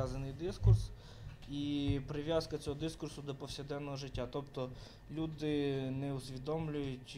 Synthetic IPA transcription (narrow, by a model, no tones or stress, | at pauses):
azɐnɪjd̪ɪskʊrs | ipɾɪʋʲjaskɐt͡sʲɔɦɔd̪ɪskʊrsʊd̪ɔpɔwsʲɪd̪ɛnːɔɦɔʒɪtʲːat̪ɔpt̪ɔ | lʲud̪ɪnɛʊsʲʋʲid̪ɔmlʲʊjʊtʲ